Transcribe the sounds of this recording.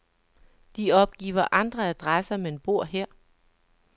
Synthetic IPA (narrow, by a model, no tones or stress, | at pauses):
d̥iɒ̽b̥̚ɡ̥ḭːʊɐʔɑ̈nd̥ʁɐæd̥ʁasɐmee̝nb̥o̝ɐ̰ɦeɐ̰